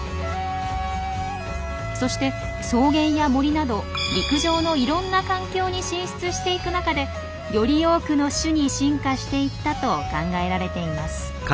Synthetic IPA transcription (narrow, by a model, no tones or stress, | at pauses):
so̞ɕi̥t̪e̞ | so̞ːɡẽ̞ɰ̃jamo̞ɾʲinad̪o̞ɾʲikɯ̟ʑo̞ːno̞iɾõ̞nːakãŋkʲo̞ːɲ̟iɕĩɰ̃ɕi̥t͡sɨɕi̥t̪e̞ikɯ̟nakad̪e̞ | jo̞ɾʲio̞ːkɯ̟no̞ɕɨɲ̟iɕĩŋkaɕi̥t̪e̞it̪ːat̪o̞kãŋɡae̞ɾaɾe̞t̪e̞imasɨ̥